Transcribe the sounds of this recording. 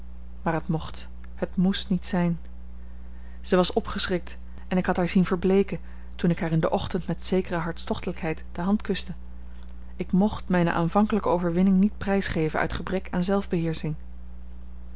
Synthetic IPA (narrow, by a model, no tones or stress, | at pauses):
maːɹɦətmɔχt | hətmustnitsɛjn | z̥əʋɑsɔpχəsrɪk̚t | ɛnɪkɦɑtɦaːɹzinvəɹblejkən | tunɪkɦaːɹɪndəʔɔχtəntmɛtsejkərəɦɑɹtstɔχtələkɦɛjtd̥əɦɑntkɵstə | ɪkmɔχtmɛjnə̰ʔa̰ːnvɑŋkələkəowvəɹʋɪnɪŋnit̚prɛjsχejvənʔœ̰ɥtχəbrɛkʰa̰ːnzɛlˠvbəɦɪːɹsɪŋ